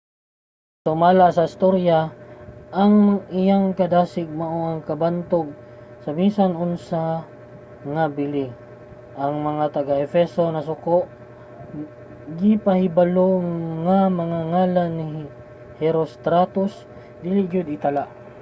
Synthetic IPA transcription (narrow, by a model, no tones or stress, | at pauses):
sʊmaːlasɐɪst̪oɾja | ʔɐŋʔɪjaŋkɐd̪aːsɪɡ̚mɐʔoʔɐŋkɐbant̪oɡ̚ | sɐminsanʊnsa | ŋɐbɪli | ʔɐŋmɐŋat̪ɐɡaʔɛfɛso̞nɐsʊkoʔ | ɡɪpɐhɪbaloŋamɐŋaŋaːlanːɪ | hɛɾost̪ɾat̪ʊs | d̪ilɪɡʊd̪ɪt̪ɐlaʔ